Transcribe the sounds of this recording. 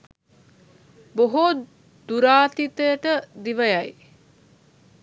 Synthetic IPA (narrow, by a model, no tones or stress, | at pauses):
boɦo | d̪uɾaːt̪it̪əjəʈəd̪iʋəjɐj